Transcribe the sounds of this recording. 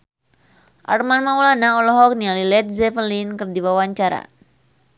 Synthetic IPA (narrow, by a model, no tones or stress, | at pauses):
ʔa̰rmanmaulanaɔlɔɦɔk̚nialilɛt̪̚zɛfərlinkɨrdiwawaɲt͡ʃaɾa̰